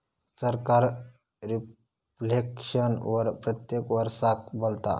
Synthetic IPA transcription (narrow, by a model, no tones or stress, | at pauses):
səɾkaɾ | ɾi | flekʂənʋəɾpɾət̪jekʋəɾsak̚bolt̪a̰